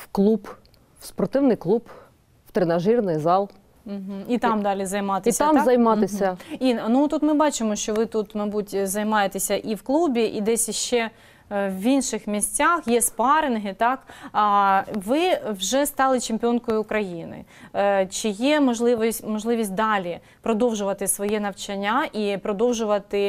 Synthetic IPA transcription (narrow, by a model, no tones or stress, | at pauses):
wklˠub | w̥spɔrt̪ɪwnɪjklˠub | w̥t̪ɾenɐʒirnɪjzɑlˠ | m̩ɦ̩it̪ɑmd̪ɑlʲizɐjmɑt̪esʲt̪ɑmzɐjmɑt̪ɪsʲɐinnut̪ut̪mɪbɑt͡ʃɪmɔʃt͡ʃɔʋɪt̪ut̪mɐjbutʲzɐjmɑjet̪esʲɐʔiwklˠubʲiʔid̪ɛsʲiʃt͡ʃɛ | ʋʲinʃɪxmʲisʲt͡sʲaxjɛspɑɾɪnɦɪt̪ɑk | ʋɪwʒɛst̪ɑlˠɪt͡ʃɪmʲpʲɔnkɔjʊːkɾɐjinɪ̰t͡ʃɪjɛmɔʒlˠɪʋɔsʲmɔʒlˠɪʋʲisʲt̚ʲd̪ɑlʲi | pɾɔd̪ɔwʒʊʋɐt̪ɪsʋɔjɛnɐʋt͡ʃɐnʲːaʔipɾɔd̪ɔwʒʊʋɐt̪ɪ